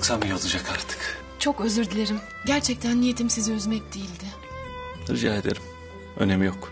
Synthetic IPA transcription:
ksamijolˠud͡ʒakʰaɾt̪ʰɯ̥k | t͡ʃʰo̞køzyɾd̪ilʲeɾim | ɟæɾt͡ʃʰɛc̚t̪ʰænːije̞t̪ʰimsiziøzmɛc̚d̪ejilʲd̪ɪ | ɾid͡ʒa̰ːɦed̪ḛɾim | ø̞̰nemijok

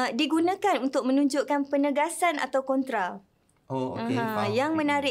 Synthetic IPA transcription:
diɡunãkanunt̪ʊk̚mə̃nũɲd͡ʒʊʔkanpənəɡasana̰t̪awkɔnt̪ɾa | oaə̃jaŋmə̃naɾɪ

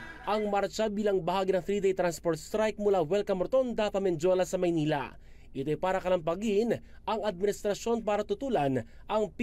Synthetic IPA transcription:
ʔɐŋmaɾt͡ʃɐbiːlɐŋbɐhaːɡinɐŋfɾiːd̪ɛjt̪ɾanspoɾt̪st̪ɾajk̚mʊlawɛlkɐmɾt̪o̞nd̪aːt̪ɐmɛnd͡ʒo̞lɐsɐmɐjniːlɐ̰ | ʔɪt̪ojpaːɾɐkɐlɐmpɐɡin | ɐŋɐd̪̚mɪnɪst̪ɾɐʃo̞npaːɾɐt̪ʊt̪uːlɐn | ʔɐŋp

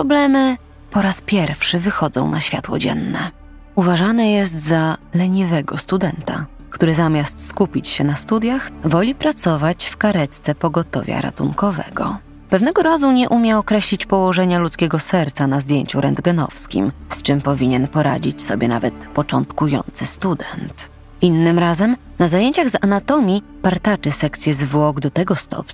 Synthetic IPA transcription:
pɾɔblɛmɘ | pɔɾaspʲjɛɾfʂɘvɘxɔd̪zɔ̰̃w̃naɕfʲja̰t̪wɔ̰d͡ʑɛ̰nːɛ | uvaʐanɛjɛs̬t̪zalɛɲivɛɡɔst̪ud̪ɛnt̪a̰ | kt̪uɾɘzamʲjast̪skupʲit͡ɕɕɛnast̪ud̪ʲjaxvɔlʲipɾat̪sɔvat͡ɕfkaɾɛt̪t̪sɛpɔɡɔt̪ɔ̰vʲja̰ɾa̰t̪uŋkɔvɛ̰ɡɔ̰ | pɛvnɛɡɔɾazuɲɛʔumʲjɛɔkɾɛɕlʲit͡ɕpɔwɔʐɛɲalut̪skʲɛɡɔsɛɾt̪sanazd̪ʲjeɲt͡ɕuɾɛnd̪ɡɛnɔ̰fskʲḭmst͡ʂɘmpɔvʲiɲɛnpɔɾa̰d͡ʑit͡ɕsɔbʲjɛna̰vɛt̪pɔt͡ʂɔnt̪kujɔ̰nt̪sɘst̪ud̪ɛnt̪ | ʔinːɘmɾazɛm | nazajeɲt͡ɕaɣzanat̪ɔmʲipaɾt̪at͡ʂɘsɛkt̪sʲjɛzvwɔɡd̪ɔt̪ɛɡɔst̪ɔ̰p

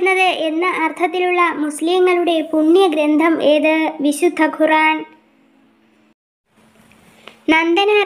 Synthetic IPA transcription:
nːɐðɨʔe̞nːɨʔɐrt̪ʰɐt̪ːiluɭːɐmusliŋːɐɭuɽe̞puɳːjɐɡɾend̪ʱɐmeːðɨʋiɕud̪ʱːɐɡʱuraːn | nɐnd̪ɐnaː

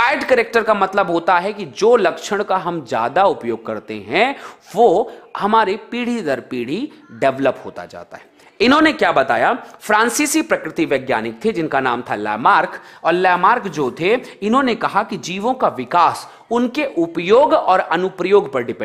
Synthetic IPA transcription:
aːɪɖkəɾeːk̚ʈəɾkamɐt̪ləbɦoːt̪aɦɛkid͡ʒoːlɐkʃəɽ̃kaɦɐmd͡ʒja̰ːd̪aʊpjoːɡ̚kɐɾt̪ḛɦɛ̃ʋoːhɐmaːɾipiːɽ̤id̪əɾpiːɽ̤iɖɛʋləpɦo̰ːt̪a̰d͡ʒa̰ːt̪a̰ɦɛː | ɪnɦõnekjaːbɐt̪a̰ːjafɾãːnsiːsipɾɐkɾɪt̪iʋɛːɡja̰ːnɪk̚t̪ʰed͡ʒɪnkanaːmt̪ʰalɛ̰ːmaːɾkɔːɾlɛːmaːɾkd͡ʒoːt̪ʰeɪnɦõnekɐɦakid͡ʒiːʋõkaʋɪkaːs | ʊnkeʔʊpjoːɡɔːɾɐnʊpɾəjoːɡpɐɾɖɪpɛ̃

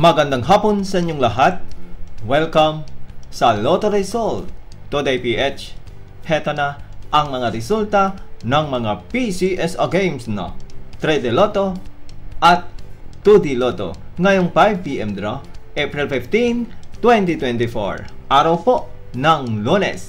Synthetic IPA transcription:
mɐɡɐnd̪aŋɦaponsɐʔɪɲːoŋlɐɦat̪̚wɛlkɐmsɐlot̪oɾɛjsolt̪od̪ejpiʔɛt͡ʃ | hɛt̪onɐʔɐŋmɐŋaɾɛsult̪ɐnɐŋmɐŋapisiʔɛsɐɡejmsnɐ̰t̪ɾɛd̪ɛlot̪o | ʔɐt̪ːud̪ilot̪o̰ŋɐjoŋpajvpiʔɛmd̪ɾoʔɛpɹɛlfɪft̪int̪wɛnt̪it̪wɛnt̪ɪfo̰ɹʔaɾɐwpoʔ | nɐŋlunɛ̰s

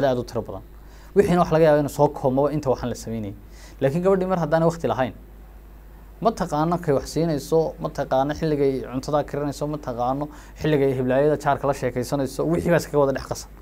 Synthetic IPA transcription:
aːd̪aːd̪ʊt̪ʰɪɾɐbɐðɐ̰n | wɪħiːnɐwɑħlɐɣɐjaːβaɪnusɔːkʰɔːmɔβɐɪnt̪ʰɐwɑħaːnlɐsɐmɛjnɐjɛ | laːkʰiŋɡɐβɐɖiːmɐrɦɐd̪aːnɛjwɑqt̪ʰɪlɐɦɐjn | mɐt̪ʰɐqɑːnːɔkʰɛjwɑħsiːnɛjsɔmɐt̪ʰɐqɑːnːɔħɪlːɪɣɛjʕʊnt̪ʰɐðɐkʰɪɾɐnɛjsɔmɐt̪ʰɐqɑːnːɔ | ħɪlːɪɣɐɦɪβlaːjɐðɐt͡ʃaːrkʰɐlɐʃɛːkʰɛjsɐnɛjsɔwɪħiːβaːɪskʰɐɣɐwɔðɐɖɛħqɑsɐ̥n

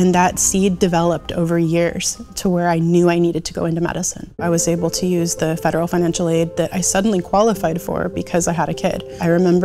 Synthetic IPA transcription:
ɨ̃nðɨtsidɨvɛlˠəp̚tʰo̰ʊvə˞jɪɹz̥tʰəwə˞aɪnjʉaɪniɾɨd̚tʰɨɡoʊɪ̃ntʉmɛ̰ɾɨsɨ̰̃nʔaɪwʌzeɪbl̩ˠtʰɨjʉzðɨfɛɾə˞l̩ˠfãɪ̃næ̃nʃl̩ˠeɪd̪̚ðɨɾʔa̰ɪsʌdⁿn̩likʰw̥ɑlˠəfaɪd̥fə̰˞bɨkʰʌzaɪɨɾɨkʰɪ̰ɾaɪɹɨmɛ̃mbə

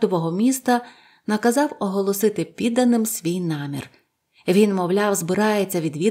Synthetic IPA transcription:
d̪ɔʋɔɦɔmʲist̪ɐ | nɐkɐzɑwɔɦɔlˠɔsɪt̪ɪpʲid̪ːɐnɪmsʲʋʲijnɑmʲḭr | ʋʲinmɔwlʲɑwzbɪɾɑjet͡sʲːɐʋʲid̪ʋʲi

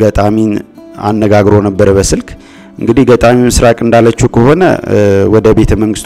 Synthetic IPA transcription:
ɡət̪ʼamin | a̰nːəɡaɡɾonəbːəɾəbəsɨlkʼ | ʔɨŋɡɨd̪ihɡət̪ʼamimɨsɾakʼɨnd̪alːət͡ʃːukʰəɦo̞nə̰wɔd̪əbe̞t̪ʰəməŋɡɨst̪

